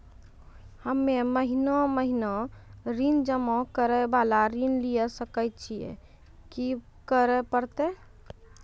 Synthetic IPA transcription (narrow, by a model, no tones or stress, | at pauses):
həmːeməɦinɔməɦinɔɾind͡ʒəmɔ̃kəɾɛbalaɾinliɛsəkəjtt͡ʃʰijɛ̰ | ki | kəɾɛpəɾt̪e